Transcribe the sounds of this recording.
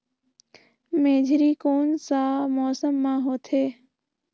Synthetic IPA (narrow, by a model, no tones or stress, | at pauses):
meːd͡ʒʱɾiːkoːnsãːmɔːsəmːãːɦoːt̪ʰeː